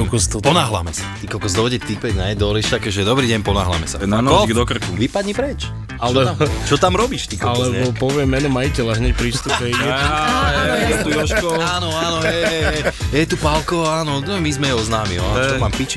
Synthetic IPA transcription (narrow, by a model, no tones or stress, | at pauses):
ɔkɔst̪pɔnaːɦla̰mɛsat̪ikɔkɔzd̪ɔɟɛt̪ipɛɟnɛjd̪ɔliʃt̪akɛʒɛd̪ɔbɾiːɟɛɲpɔna̰ːɦla̰mɛsa̰nanɔd̪ɔkr̩kuʋipad̪ɲipɾɛt͡ʃ | alɛt͡ʃɔt̪amɾɔbiʃt̪ikalɛɛbɔpɔʋɪɛmːɛnɔmajicɛlaʒɲɛcpɾist̪upɛɛ | ɛt̪uɔʃkɔaːnɔaːnɔɛ | jɛt̪upalkɔaːnɔnɔmizmɛjɛɔznaːmḭɔ̰ant͡ʃɔmaːmpit͡ʃ